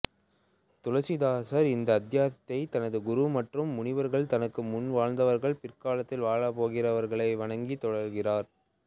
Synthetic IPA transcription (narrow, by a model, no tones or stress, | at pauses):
t̪ʊlɐt͡ʃɪðaːsɐɾɪnd̪ɐːd̪jaːt̪ːɐɪt̪ɐnɐðɯɡʊɾumɐʈrɯmːʊɳɪʋɐɾɣɐɭt̪ɐnɐkːɯmʊnʋaːɻnd̪ɐʋɐɾɣɐɭpɪrkaːlɐt̪ːɪlʋaːɻɐpoːɣɪrɐʋɐɾɣɐɭɐɪʋɐɳɐŋɡit̪ːɔɽɐɾɣɪraːɾ